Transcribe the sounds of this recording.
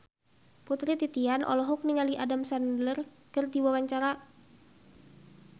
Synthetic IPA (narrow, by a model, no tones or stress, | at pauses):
put̪ɾit̪it̪ianʔɔ̰lɔɦuk̚niŋaliʔadamsandlər | kərdiwawaɲt͡ʃaɾa